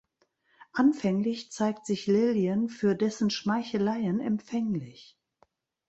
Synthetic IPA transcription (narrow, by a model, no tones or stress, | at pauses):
ʔanfɛŋlɪçt͡saɪk̚tz̥ɪçlɪliənfyːɐdɛsn̩ʃmaɪçəlaɪənɛ̰mfɛŋlɪç